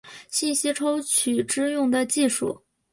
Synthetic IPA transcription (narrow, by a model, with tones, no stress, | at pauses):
ɕi˥˩nɕi˥ʈ͡ʂʰo˥ʊt͡ɕʰy˨˩ʈ͡ʂɻ̩˥jʊ˥˩ŋd̪ə˨t͡ɕi˥˧ʂṵ˥˩